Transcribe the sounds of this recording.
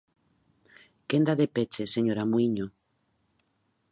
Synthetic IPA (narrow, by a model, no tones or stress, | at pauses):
kend̪aðepet͡ʃeseɲoɾamuiɲo